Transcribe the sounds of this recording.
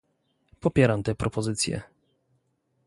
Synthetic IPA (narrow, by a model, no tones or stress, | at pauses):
pɔpʲjɛɾamt̪ɛpɾɔpɔzɘt̪sʲjɛ̰